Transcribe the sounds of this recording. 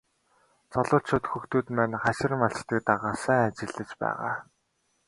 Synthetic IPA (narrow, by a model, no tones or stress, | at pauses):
t͡sɔɮʊːɬt͡ɕʰʊːt̪xɵxt̪uːt̪mæːnχaʃɪ̆rmaɬt͡ɕt̪ə̆k̚t̪aʁaːsæːŋat͡ɕɪ̆ɮɘ̆t͡ɕpæ̰ːʁa̰ː